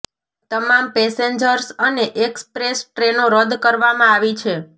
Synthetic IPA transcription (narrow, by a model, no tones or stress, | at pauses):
t̪əmampeseɲd͡ʒəɾsəneʔekspɾesʈɾenoɾəd̪kəɾʋamãaʋit͡ʃʰe